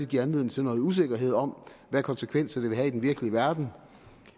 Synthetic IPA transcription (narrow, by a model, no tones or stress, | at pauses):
ɡ̥iɐænle̝ð̰ˠn̩t͡sʰenɔ̽ːð̩ˠus̬e̝ɡ̥ɐɦe̝ð̞̰ˠɒ̽m̰ʋæɐkʰɒ̽nsekʰʋen̰sɐd̥e̝ʋe̝ɦæid̥enʋiɐɡ̥əliəʋæɐd̥n̩